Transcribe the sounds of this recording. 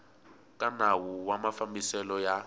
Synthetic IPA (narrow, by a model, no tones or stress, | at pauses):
kʼanawuwamafambisɛlɔja